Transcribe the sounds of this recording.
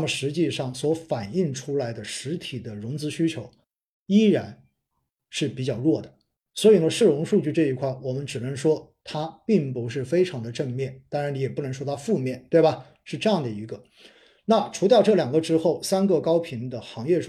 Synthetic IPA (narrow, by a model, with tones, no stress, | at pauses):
a˥mə˨ʂɻ̩˧˥t͡ɕi˥˧ʂɑ˥˩ŋswɔ˧˥fa˨˩ni˥˩ŋʈ͡ʂʰu˥la˧˥ɪd̪ə˧ʂɻ̩˧˥t̪ʰi˨˩d̪ə˦ɻʊ˧˥ŋt͡sɹ̩˧˥ɕy˥t͡ɕʰjo˧˥ʊ | i˥ɻa˧˥n | ʂɻ̩˥˩pi˨˩t͡ɕjɑ˥˩ʊɻwɔ˥˩d̪ə˩ | swɔ˧˥i˨˩nə˧ʂɻ̩˥˩ɻʊ˧˥ŋʂu˥˧t͡ɕy˥˧ʈ͡ʂɤ˥˩i˧˥kʰwa˥˩ɪwɔ˨˩mə˦nʈ͡ʂɻ̩˨˩nə˧˥ŋʂwɔ˥t̪ʰa˥pi˥˩ŋpu˧˥ʂ̬ɻ̩˥˩fe˥ɪʈ͡ʂʰɑ˧˥ŋd̪ə˧ʈ͡ʂə˥˧ŋmjɛ˥˩nt̪a˥ŋɻa˧˥ni˧˥jɛ˨˩pu˥˩nɤ˧˥ŋʂwɔ˥t̪ʰa˥fu˥˧mjɛ˥˩nt̪we˥˩ɪbɐ˩ | ʂɻ̩˥˧ʈ͡ʂɤ˥˧jɑ˥˩ŋd̪ə˩i˧˥ɡə˧ | na˥˩ʈ͡ʂʰu˧˥t̪̬ʊʈ͡ʂɤ˥˩ljɑ˨˩ŋɡə˧˦ʈ͡ʂɻ̩˥xo˥˩ʊsa˥nɡə˨kɑ˥ʊpʰi˧˥nd̪ə˨xɑ˧˥ŋjɛ˥˩ʈ͡ʂʰ